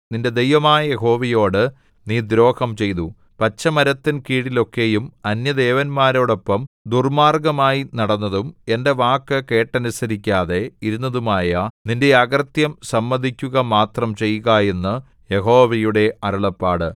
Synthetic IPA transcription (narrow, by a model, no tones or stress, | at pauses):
ninde̞d̪e̞jʋɐmaːjɐje̞ɦo̞ːʋɐjo̞ːɽɨ | niːd̪ɾo̞ːhɐmt͡ɕe̞jt̪u | pɐt͡ɕːɐmɐɾɐt̪ːinkiːɽilo̞kːe̞jumɐnjɐd̪e̞ːʋɐnmaːɾo̞ːɽo̞pːɐmd̪urmaːrɡɐmaːjinɐɽɐnːɐðume̞nde̞ʋaːkːɨke̞ːʈːɐnusɐɾikʲːaːðe̞iɾunːɐðumaːjɐninde̞ɐɡɐrt̪jɐmsɐmːɐd̪ʱikʲːuɣɐmaːt̪rɐmt͡ɕe̞jːuɣaje̞nːɨ | je̞ɦo̞ːʋɐjuɽe̞ɐɾɐɭɐpːaːɽɨ